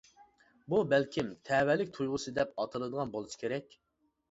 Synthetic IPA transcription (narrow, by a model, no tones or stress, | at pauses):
bubɛlkʲimt̪ʰɛwɛlɪk̚ʲt̪ʰujʁʊsɨd̪ɛp̚ɑt̪ʰɨlˠɨd̪əʁɑnbolˠusɨ̥kʲʰeɾɛkʲ